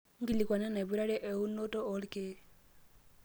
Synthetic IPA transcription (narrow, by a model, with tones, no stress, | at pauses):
ŋ̩˦ɡi˦li˨kwa˨na˦na˨bu˦ɾa˦ɾɛ˦ʔɛ˨u˦no˦tɔ˦ɔ˦lke˦